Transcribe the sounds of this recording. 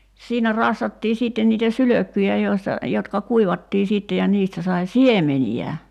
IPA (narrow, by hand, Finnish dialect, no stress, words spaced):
siːnæ rɑsːɑtːiː siːtːen niːtæ syløkːyjæ joistɑ jotkɑ kuiʋɑtːiː siːtːe jɑ niːstæ sɑi siemeniæ